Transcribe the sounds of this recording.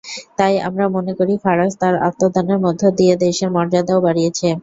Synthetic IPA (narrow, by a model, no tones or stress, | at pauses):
t̪aja̰mɾamonekoɾifaɾast̪aɾa̰t̪ːod̪ʱaneɾmɔd̪ʱːod̪ied̪eʃeɾmɔɾd͡ʑad̪aobaɽijet͡ɕʰe